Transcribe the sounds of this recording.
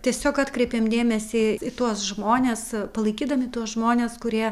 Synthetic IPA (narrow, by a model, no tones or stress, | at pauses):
t̪ʲiɛsʲoːkɑːt̪kɾʲɛɪpʲeːmd̪ʲeːmʲɛsʲɪɪt̪uɔsʒmoːnʲeːspɐlˠɐɪkʲiːd̪ɐmʲɪt̪uɔsʒmoːnʲeːskʊɾʲiɛ